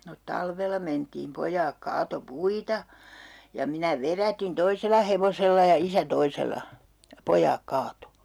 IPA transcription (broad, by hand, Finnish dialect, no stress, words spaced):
no tɑlʋelˑɑ mentiːm pojɑːk kɑːto puitɑ jɑ minæ ʋerætin toiselˑɑ heʋoselːɑ jɑ isæ toiselɑ jɑ pojˑɑːk kɑːto